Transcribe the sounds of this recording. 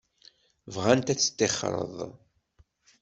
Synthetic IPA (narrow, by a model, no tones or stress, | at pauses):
vʁænt̪æt͡sːə̥t̪ːeχɾˤə̰ðˤ